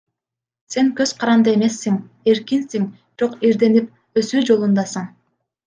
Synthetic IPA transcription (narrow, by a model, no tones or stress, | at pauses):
se̞ŋkø̞zqʰɑɾɑnd̪ɯe̞me̞sːiŋ | e̞ɾkinsiŋbɾo̞qiɾd̪e̞nip̚ | ø̞syːd͡ʒo̞lˠund̪ɑsɯɴ